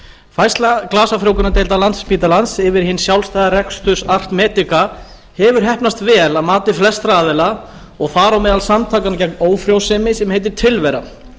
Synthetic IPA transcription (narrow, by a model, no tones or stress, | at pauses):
fajst̪laklaːsafɾjoːwkʏnat̪ejlt̪alant̪spiːt̪alansɪvɪɾ̥hɪnːsjawlst̪ajðaɾɛkst̪ʰʏ̥sar̥t̪mɛːt̪ɪka | hɛvʏɾ̥ɦɛhpnast̪vɛːlaðmaːt̪ɪflɛst̪ɾaːðɪla | ɔɣθaːɾawmɛːðalsamt̪ʰaːkancɛk̚noːwfɾjowsɛmɪsɛmhejt̪̬ɪɾ̥t̪ʰɪlvɛɾa̰